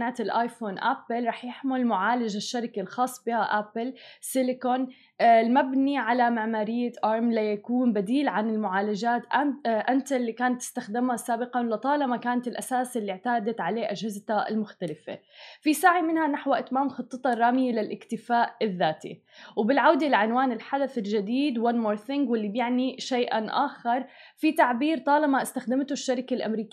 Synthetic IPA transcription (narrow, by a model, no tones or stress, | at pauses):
aʕt̪ɪlʔaːjfoːnʔapɪlɾˤɑːħjɪħmʊlmʊʕaːlad͡ʒaʃːaɾɪkelxɑːsˤːbiːhaʔapɪlsɪlɪkon | lmabniʕalamaʕmaːɾɪjːaʔɑːɾˤmlajakuːnbad̪iːlʕanɪlmʊʕaːlad͡ʒaːt̪ʔaʔant̪alːikaːnat̪ːɪ̥st̪axd̪ɪmhasaːbɪqɑnlɪt̪ˤɑːlamakaːnat̪ɪlʔasaːsɪlːiʕt̪aːd̪at̪ʕaleːʔad͡ʒhɪzt̪aɪ̰lmʊxt̪alɪfḛ | fisaːʕimɪnhanaħwaʔɪt̪maːmxɑt̪ˤːɨt̪ˤɑrˤːaːmɪjlɪlʔɪkt̪ɪfaːʔɪðːaːt̪ḭ | wbɪlʕawd̪alaʕɪnwaːnɪlħad̪aθɪlʒɪd̪iːd̪wanmoːɾˤθɪŋɡwɪlːibjɪʕniʃajʔa̰nʔa̰ːxɑɾˤ | fit̪aʕbiːɾt̪ˤɑːlɑmaʔɪst̪axd̪ɪmt̪ʊʃːaɾɪkalʔa̰mɾiːkː